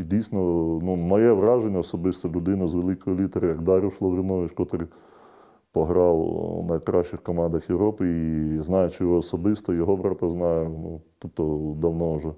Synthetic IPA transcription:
idʲijsnɔnumɔjɛʋrɑʒenʲːɐɔsɔbɪst̪ɔlʲʊd̪ɪnʊzʋelˠɪkɔjɔlʲit̪eɾʲɐjɐɡd̪ɑɾʲʊwʃlˠɔʋɾʲɪnɔʋɪt͡ʃkɔt̪ɾɪ | pɔɦɾɑwnɐjkɾɑʃt͡ʃɪxkɔmɑnd̪ɐxjeʋɾɔpɪiznɑjʊt͡ʃɪjɔɔːsɔbɪst̪ɔjɔɦɔbɾɑt̪ɐznɑjʊnut̪upt̪ɔd̪ɐwnɔwʒɛ

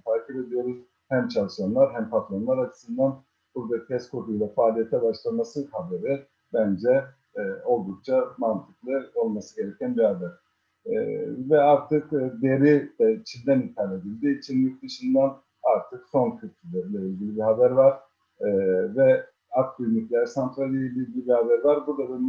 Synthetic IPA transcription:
fʰaːcʰɛbe̞d̪ijo̞ɾuz̥ | hæmt͡ʃʰalˠʃanlˠaɾɦæmpʰat̪lˠanlˠaɾat͡ʃʰɯ̥sɯnd̪an | b̥uɾd̪acʰɛskʰot̪ujlˠafaːlʲije̞t̪ʰɛbaʃlˠamasɯhabe̞ɾi | bænd͡ʒɛ | o̞lˠd̪uk̚t͡ʃʰamant̪ʰɯklˠɯo̞lˠmasɯɟe̞ɾecʰænbihabæɾ̥̰ | vɛaɾt̪ʰɯkːd̪eɾid̪ɛt͡ʃʰind̪ænit̪ʰaːlʲed̪ilʲd̪iːt͡ʃʰinjʲyk̚d̪ɯʃɯnd̪an | aɾt̪ʰɯkso̞ncʰyɾt̪ʰylʲɛɾlʲɛilʲɟʲilʲibiɦabæɾvaɾ̥ | vɛ | aklʲyniclʲæɾsant̪ʰɾalʲilʲiilʲɟʲilʲibihabæɾvaɾbuɾd̪ad̪a

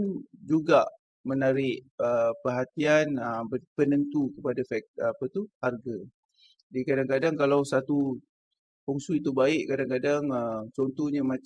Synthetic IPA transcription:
ud͡ʒuɡaʔ | mənaɾɪʔəpərɦat̪ianəmbəpənənt̪ukəpadafɛk̚apət̪uharɡa | dikadaŋkadaŋkalawsat̪u | puŋsuit̪ubaɪʔkadaŋkadaŋət͡ʃɔnt̪ɔhɲamã

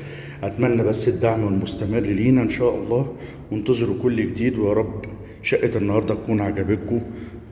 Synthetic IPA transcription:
ʔæt̪mænːæbæsːed̪ːaʕmwelmost̪æmerːliːnæʔenʃæːʔɑlˤːɑː | went̪ɑzˤeɾukolːɡed̪iːd̪wejɑɾˤɑbː | ʃæʔet̪ʔenːhɑɾˤd̪ˤɑʔækuːnʕaɡæbeko

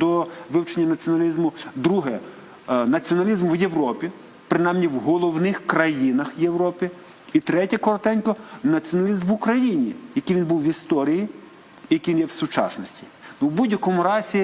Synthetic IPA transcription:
d̪ɔʋɪwt͡ʃenʲːɐnɐt͡sʲiɔnɐlʲizmʊd̪ɾuɦɛ | nɐt͡sʲiɔnɐlʲizmwjewɾɔpʲi | pɾɪnɑjmnʲiwɦɔlˠɔwnɪxkɾɐjinɐxjewɾɔpʲi | it̪ɾɛtʲɐkɔɾɔt̪ɛnʲkɔnɐt͡sʲiɔnɐlʲizmʋʊkɾɐjinʲijɐkijʋʲinbuwʋʲist̪ɔɾʲiji | jɐkinjɛwsʊt͡ʃɑ̰snɔsʲtʲi̥ | nuwbudʲjɐkɔmʊɾɑzʲi

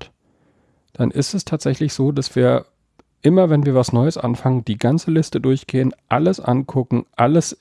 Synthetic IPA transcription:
t | d̥anʔɪstɛstʰaːtz̥ɛçlɪçz̥oːdasv̥iːɐ | ʔɪmɐvɛnviːɐvasnɔʏəsʔa̰nfaŋənd̥iːɡant͡səlɪstədʊɐçɡ̥eːənʔaləsʔa̰nkʰʊkŋ̩ʔaləs

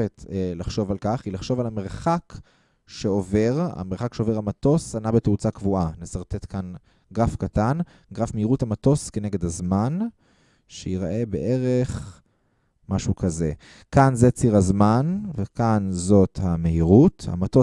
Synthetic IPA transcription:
etlaχʃo̞valkaχilaχʃo̞valame̞ʁχak | ʃe̞o̞ve̞ʁa̰meʁχakʃeove̞ʁamato̞sanabeteut͡sakvuʔanesaʁt̪e̞t̪kan | ɡʁafkatan | ɡʁafmehiʁuthamato̞ske̞ne̞ɡed̪hazman | ʃeiʁaʔebe̞̰ʔe̞ʁeχ | maʃukaze̞ | kanzet͡siʁazmanvekanzo̞thame̞ɦiʁutha̰mato

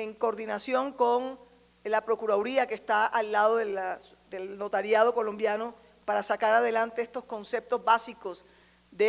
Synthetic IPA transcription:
eŋkoɾðinasjo̞ŋko̞ŋ | lapɾo̞kuɾaoɾiake̞st̪aʔalːaðoðela | ðe̞lno̞t̪aɾjað̞o̞ko̞lõ̞mbjano̞ | paɾasakaɾað̞e̞lant̪eest̪o̞sko̞nse̞p̚t̪o̞zβasiko̞s | d̪e

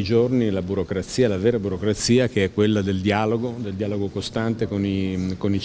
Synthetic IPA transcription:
id͡ʒornilabuɾokɾat̪siːalaveːɾabuɾokɾat̪siːakeɛkːwelːad̪eld̪iaːloɡod̪eld̪iaːloɡokost̪ant̪ekonikoni

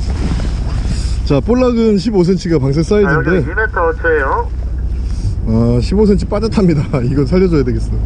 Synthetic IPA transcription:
t͡ɕap͈oɭːaɡɯnɕʰibos̬ʰe̞nt͡ɕʰiɡapaŋs̬ʰeks͈aid͡ʑinde̞net͈ʰʌt͡ɕʰejo | aɕʰibos̬ʰe̞nt͡ɕʰip͈ad͡ʑatʰamɲidaiɡʌnsʰaʎːʌd͡ʑojadwe̞ɡe̞s͈ʌjo

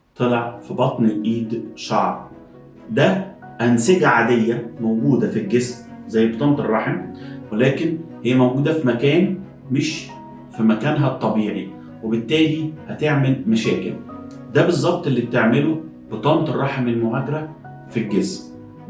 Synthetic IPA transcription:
t̪ˤelɑʕfibɑt̪ˤnelʔiːd̪ʃɑʕɾ | d̪æʔænseɡæʕad̪ejːæmowɡuːd̪æfilɡesmzæjːbɨt̪ˤɑːnt̪ˤerˤːɑħemwelæːkenhɪjːæmæwɡuːd̪æfimækæːn | meʃ | fimækæːnɦæt̪ˤːɑbiːʕi | webɪt̪ːæːlihæt̪eʕmelmæʃæːkɪ̰l | d̪æbezˤːɑb̚t̪ˤelːiːt̪eʕmelo | b̥ɨt̪ˤɑːnt̪ˤerˤːɑħemelmoɣæːd̪ɑɾæ | filɡesm

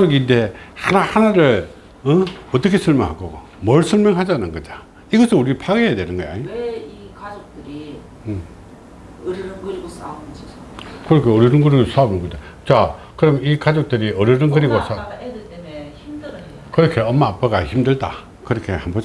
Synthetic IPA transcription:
kad͡ʑoɡinde̞hanahanaɾɯɭ | ʌʌt͈ʌkʰe̞sʰʌɭmjʌŋɦaɡo | mʌɭsʰʌɭmjʌŋɦad͡ʑanɯnɡʌd͡ʑa | iɡʌsʰɯnuɾipʰaɡejadwenɯnɡʌjaɲikad͡ʑok̚tɯɾi | ɯɾiɾɯnɡɯɾiɡosad͡ʑi | kɯɾʌkʰeoɾiɾɯnɡɯɾiɡos͈aobinɡoda | t͡ɕa | kɯɾʌmikad͡ʑok̚tɯɾiʌɾiɾɯnɡɯɾiɡosʰa | imd | kɯɾʌkʰe̞ʌmːaːp͈aɡaçimdɯɭda̰ | kɯɾʌkʰe̞hambʌd͡ʑ

